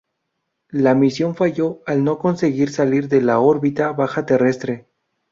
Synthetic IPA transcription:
lamisjo̞ɱfaʝo̞alno̞ko̞nse̞ɣiɾsaliɾðe̞lao̞ɾβit̪aβaxat̪e̞re̞st̪ɾe̞

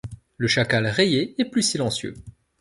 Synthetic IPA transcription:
ləʃakalʁejeɛplysilɑ̃sjø̰

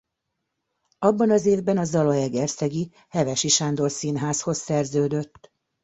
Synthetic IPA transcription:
ɒbːɒnɒzeːvbɛnɒzɒlɒjɛɡɛrsɛɡi | hɛvɛʃiʃaːnd̪o̞lsinɦaːsho̞sːɛrzøːd̪øt̪ː

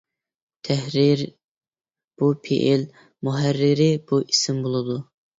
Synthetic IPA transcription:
t̪ʰɛhɾiɾ | b̥upʰḛʔel | muɦæɾːɪɾɪb̥uʔisɪmbolˠɨd̪u

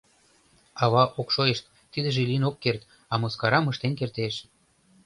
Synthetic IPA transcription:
ɑβɑʔokʃojeʃt̪ːid̪ə̆ʒelinokːert̪ | ɑmoskɑɾɑməʃt̪enkert̪eʃ

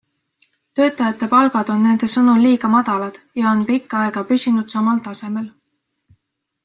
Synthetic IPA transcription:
t̪ø̞ːt̪ˑːɑjɑt̪ːˑe̞pɑlɡ̥ɑd̪̥o̞nːe̞nd̪̥e̞sɤnuliːɡ̥ɑmɑd̪̥ɑlɑd̪̥jɑo̞npikˑːɑe̞ɡ̥ɑpysʲinud̪̥sɑmɑlt̪ɑse̞me̞l

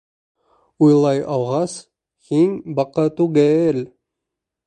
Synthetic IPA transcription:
ujlˠɑjʔɑlˠʁɑs | hiŋbɑqɑt̪uɡæɘl

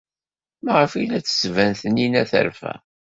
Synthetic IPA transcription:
mæʁəfilæt͡sːə̥svænθəninæθə̰ɾfæ̰

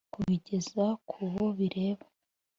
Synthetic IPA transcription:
kuβiɟe̞zakʰuβoβiɾe̞ːβḁ

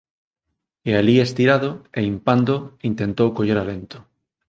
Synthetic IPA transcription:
ealiest̪iɾaðoeimpand̪oint̪ent̪owkoʎeɾalent̪o̥

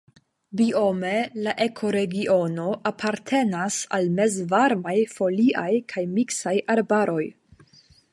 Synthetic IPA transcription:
bio̞me̞laʔekʰo̞ɾe̞ɡiʔo̞no̞ʔapʰaɾtʰe̞nasa̰lme̞zvaɾmajfo̞liʔajkʰajmiksajaɾbaɾo̞j

